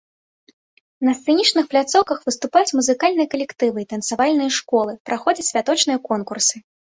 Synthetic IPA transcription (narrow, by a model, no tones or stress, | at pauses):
nɐst̪sɛnʲit͡ʂnɨxplʲat̪sɔwkɐxvɨst̪upajut͡sʲmuzɨkalʲnɨjɐkɐlʲɛkt̪ɨvɨit̪ɐnt̪savalʲnɨjɐʂkɔlˠɨpɾaxɔd͡zʲɐt͡sʲsʲvʲat̪ɔt͡ʂnɨjɐkɔnkursɨ